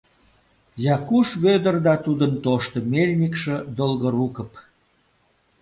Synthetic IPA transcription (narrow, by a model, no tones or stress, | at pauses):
jɑkuʃβød̪ərd̪ɑt̪ud̪ənt̪oʃt̪ə̆melʲnʲikʃə̆d̪olɣoɾukəp